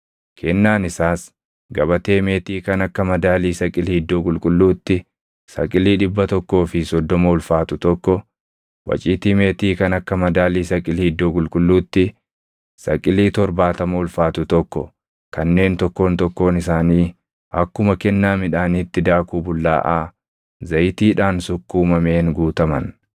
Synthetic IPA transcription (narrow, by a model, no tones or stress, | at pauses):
kʰɛnːaːnɪsaːs | ɡɐbɐt̪e̞ːme̞ːt̪iːkɐnɐkːɐmɐd̪aːliːsɐkʼɪliːɪd̪ːoːkʼʊlkʼʊlːuːt̪ːɪ | sɐ̰kʼɪliːᶑɪbːɐt̪ɔkːo̞ːfɪsɔd̪ːɔmɐʊlfaːt̪ʊt̪ɔkːɔ | wɐ̰t͡ʃʼiːt̪iːme̞ːt̪iːkɐnɐkːɐmɐd̪aːliːsɐkʼɪliːɪd̪ːoːkʼʊlkʼʊlːuːt̪ːɪ | sɐkʼɪliːt̪ɔɾbaːt̪ɐmɐʊlfaːt̪ʊt̪ɔkːɔ̰ | kɐnːe̞ːnt̪ɔkːo̞ːnt̪ɔkːo̞ːnɪsaːniː | ɐkːʊmɐkɛnːaːmɪᶑaːnit̪ːɪd̪aːkuːbʊlːa̰ːʔaː | zɐjɪt̪iːᶑaːnsʊkːuːmɐmeːnɡuːt̪ɐmɐn